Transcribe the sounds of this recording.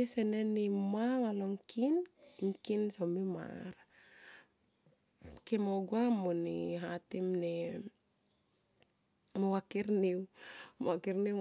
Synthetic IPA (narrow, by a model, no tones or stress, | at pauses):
esenenimaŋaloŋkʰinŋkinsomima̰ɾ | kemoɡuamoniɦatimne | mowakeɾniwmakeɾni